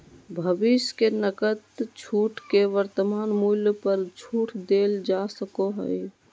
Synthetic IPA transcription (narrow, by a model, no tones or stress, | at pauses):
bʱəbiskenəkət̪t͡ʃʰuʈkeʋəɾt̪əmanmuljpəɾt͡ʃʰuːʈʰd̪eld͡ʒasəkoɦə̰j